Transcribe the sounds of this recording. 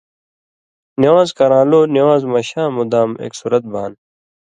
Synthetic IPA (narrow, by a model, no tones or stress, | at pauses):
niwaːzkɐɾãːloːniwaːzmɐɕãːmud̪aːmḛːksuːɾɐt̪̚baːn